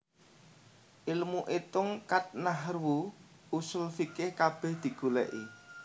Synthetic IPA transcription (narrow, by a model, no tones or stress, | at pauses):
ʔɪlmuʔet̪ʊŋkat̪̚naɦrwu | usʊlfikɪhkab̥ɛ̤hd̪̥i̤ɡ̥ṳlɛ̰ʔi